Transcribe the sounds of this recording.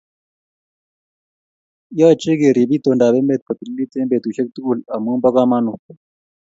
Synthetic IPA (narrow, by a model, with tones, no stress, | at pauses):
jaː˦t͡ʃe˦ɡe˨ɾi˨bi˦t̪o˨nda˨be˦mbe˦˨t̪̚pɐ˨t̪i˨lːi˦t̪e˦mbe˨t̪u˨ʃe˦k̚t̪u˦˨la˨mu˦mbɐ˦ka˦ma˦nu˨